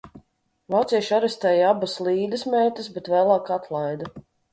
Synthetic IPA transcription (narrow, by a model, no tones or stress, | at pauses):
vˠat̪siɛʃaɾɛst̪ɛːjabaslˠiːd̪ɐsmɛːt̪əsbɛt̪væːlˠɑːkat̪ʰlˠajd̪a